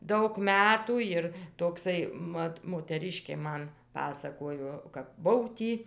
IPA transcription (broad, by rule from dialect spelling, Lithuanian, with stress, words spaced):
ˈdɐʊk ˈmʲæːtuː ˈjɪr toːkˈsɐɪ ˈmɐt moːtʲɛˈrʲɪʃʲkʲeː ˈmɐn ˈpɑːsɐkoːjoː kɐp ˈbʊw ˈtʲiː